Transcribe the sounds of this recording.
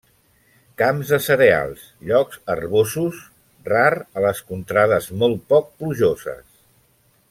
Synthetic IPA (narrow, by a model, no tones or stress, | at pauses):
kamzðəsəɾea̰lˠs | ʎɔkz̥ə̰rβosus | rarələskunt̪ɾaðəzmɔlˠt̪̚pɔk̚pluʒozə̰s